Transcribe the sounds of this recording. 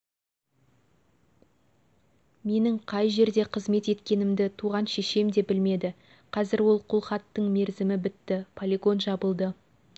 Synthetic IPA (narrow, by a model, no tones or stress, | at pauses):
me̞nɪɴqʰɑjʒe̞ɾd̪e̞qʰəzme̞t̪e̞t̪kʲe̞nɪmd̪ɪt̪ʰuʁɑnʃeʃe̞md̪e̞bɪlme̞d̪ɪ | qʰɑzɪɾwo̞lˠqʰʊlˠχɑt̪ːəɴme̞ɾzɪmɪbɪt̪ːɪpʰolʲiɡo̞nʒɑbəlˠd̪ə